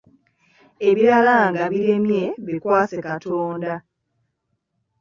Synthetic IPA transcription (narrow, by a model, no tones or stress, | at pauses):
e̞βiɾalaŋɡaβiɾemje̞βikwaːt͡sekatʰoːnda